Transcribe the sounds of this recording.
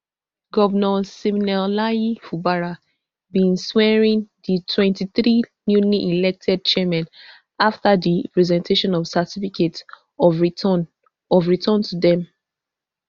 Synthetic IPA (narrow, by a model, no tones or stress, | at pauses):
ɡɔvənɔsimnɛlaifubaɹa | bĩnswɛɹĩnditʰwɛ̃ntiθɹinjuliʔilɛk̚tʰɛd̚t͡ʃɛmãn | aftaðipɹɛzɛ̃ntʰeʃɔ̃nɔv̥sɛtifiket | ɔv | ɔvɹitʰɔ̃ntudɛ̃m